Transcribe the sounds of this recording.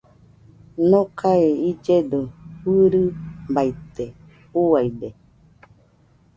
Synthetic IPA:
nõkʰaeid͡ʒed̪ohɨɾɨbait̪e | uaide

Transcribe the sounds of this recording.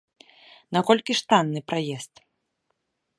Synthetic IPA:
nakɔlʲkʲiʂt̪anːɨpɾajɛst̪

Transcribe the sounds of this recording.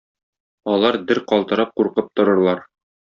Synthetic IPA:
ɒlˠɑɾd̪ɘɾqɒlˠt̪ɤ̆ɾɑp̚quɾqɤp̚t̪ŏɾɤ̆ɾlˠɑɾ

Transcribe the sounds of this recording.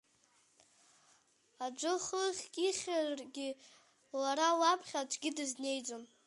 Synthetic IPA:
ad͡ʒʷɨχɨχʲkʼiχʲarɡʲi | laɾawapʰχʲat͡ʃʷʰʼɡʲɪdɨzne̞jd͡zʼom

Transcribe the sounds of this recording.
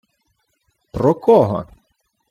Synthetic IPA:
pɾɔkɔɦɔ̰

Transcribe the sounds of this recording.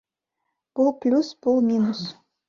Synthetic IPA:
b̥ʊlˠplʲusb̥ulˠmʲinus

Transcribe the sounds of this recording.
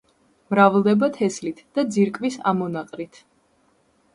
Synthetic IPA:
mɾavlˠd̪ɛbat̪ʰɛslit̪ʰd̪̥ad̪ziɾkʼvisa̰mɔnaqʼɾit̪ʰ

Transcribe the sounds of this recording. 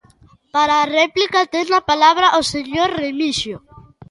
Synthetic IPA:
paɾaːreplikat̪eznapalaβɾaʔoseɲoɾremiʃjo

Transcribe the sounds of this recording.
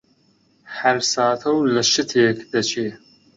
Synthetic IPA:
ħɐɾsaːt̪ʰɐwlɐʃɨt̪ʰeːkd̪ɐt͡ʃʰeː

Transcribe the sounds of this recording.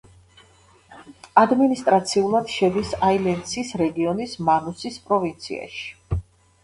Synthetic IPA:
ad̪minist̪ʼɾat̪sʰiulˠad̪̥ʃɛd̪isailɛnsisɾɛɡiɔnismanusispʼɾɔvint̪sʰḭa̰ʃi̥

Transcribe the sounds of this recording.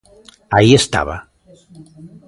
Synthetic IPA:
aiest̪a̰βa

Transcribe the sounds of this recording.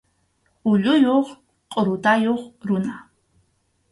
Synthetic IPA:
ʊʎʊjoχ | qʼoɾud̪ajoχɾuna

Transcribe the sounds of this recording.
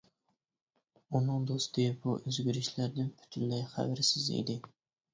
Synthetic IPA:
unɨŋd̪ost̪ɪbuʔøzɡʲyɾɪʃlæɾd̪ɪnpʰy̥t̪ʰylːɛjχæ̰wɪɾɪsɪzḭd̪ɪ

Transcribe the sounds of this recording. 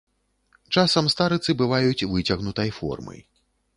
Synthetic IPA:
t͡ʂasɐmst̪aɾɨt̪sɨbɨvajut͡sʲvɨt͡sʲɐɣnut̪ɐjfɔ̰rmɐ̰j

